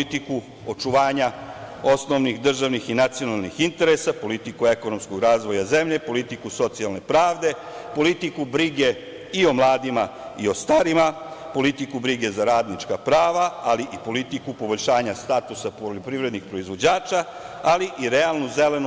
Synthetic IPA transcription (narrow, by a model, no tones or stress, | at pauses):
it̪iku | ot͡ʃuʋaːɲao̞sno̞ʋnixd̪r̩ʒaʋnixinat̪sio̞nalˠnixint̪e̞ɾesapo̞lit̪ikue̞kono̞msko̞ɡɾaːzʋo̞jaze̞mʎe̞po̞lit̪ikuso̞t̪sialne̞pɾaːʋd̪e̞ | po̞lit̪ikubɾiɡe̞ | io̞mlˠaːd̪imaio̞st̪aɾimapo̞lit̪ikubɾiɡe̞zaɾaːd̪nit͡ʃkapɾaːʋaaliʔipo̞lit̪ikupobo̞ʎʲʃaːɲast̪at̪usapoʎo̞pɾiʋɾe̞d̪nixpɾo̞izʋo̞d͡ʑaːt͡ʃa | aliʔiɾealnuzelen